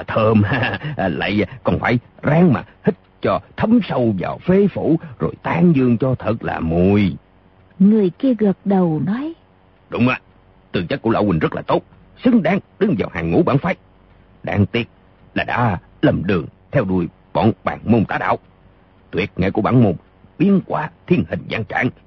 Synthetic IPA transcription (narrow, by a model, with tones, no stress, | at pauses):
t̪ʰəː˧mhaː˧˨la̰ː˧˨jkɔ˨˩nfaː˧˩˦jzaː˧ŋmaː˨˩hï˥t̟̚t͡ɕɔ˧t̪ʰə˨˧msə˧wva̰ː˨˩wfe˧˦fu˧˩˥zo˨˩jt̪aː˧ŋzɨ˧əŋt͡ɕɔ˧t̪ʰə˨˩t̚la̰ː˨˩mu˨˩j | ŋɨ˨˩əjki˧əɣə˨˩t̚ɗə˨˩wnɔ˨˦j | ɗʊ˨˦wŋ͡mʔəː˨˩ | t̪ɨ˨˩t͡ɕa˦˥k̚ku˧˥əla̰ː˧wï˨˩ŋ̟zə˦˥t̚laː˨˩t̪o˦˥t̚ | sɨ˨˦ŋɗaː˨˧˦ŋɗɨ˨˦ŋvaː˨˩whaː˨˩ŋŋṵ˧˥ɓaː˧˥nfaː˧˦˥j | ɗa̰ː˧ŋt̪i˦˥ət̚ | laː˨˩ɗa̰ː˧˥ | lə˨˩mɗɨ˨˩əŋt̪ʰɛ˧wɗu˧˩əj | ɓɔ̰˧˨nɓaː˧˩ŋmo˧mt̪a̰ː˧˥ɗa̰ː˧˨w | t̪wi˨˩ət̚ŋa̰˧˨jku˧˩əɓaː˧˥nmo˧m | ɓi˧˥ənkwaː˧t̪ʰi˧ənhï˨˩ŋ̟za̰ː˧ŋt͡ɕa̰ː˧˥ŋ